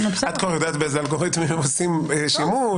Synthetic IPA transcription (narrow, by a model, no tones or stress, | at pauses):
npad̪̚kvaʁjod̪aːt̪beezalɡoʁit̪mimemosimʃimu